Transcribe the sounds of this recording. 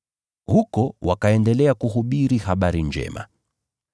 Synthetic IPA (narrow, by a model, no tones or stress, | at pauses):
hukɔwʔakaɛndɛlɛakuɦuɓiɾihaɓaɾiɲd͡ʒɛ̰ma̰